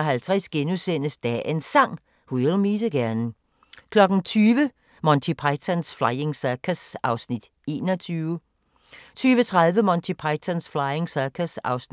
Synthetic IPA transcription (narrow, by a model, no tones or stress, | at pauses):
ɦælt͡sʰʁɛsɡ̥enusen̰əsd̥æ̰ʔensɑ̈ŋ̰ | huelmiːsəɡ̥æɐnn̩ | kʰlɒ̽ɡ̥n̩t͡sʰyːʋə | mɒnt͡sʰipʰɑɪt͡sʰænsflɑ̈ɪe̝ŋsækʰæsʔɑ̈ʊsnid̥ | e̝̰ːnɒt͡sʰyːʊə | t͡sʰyːʋət͡sʰʁɑ̈ðˠʋəmɒnt͡sʰipʰɑ̈ɪt͡sʰænsflɑ̈ɪeŋsæɐkʰæsɑ̈ʊs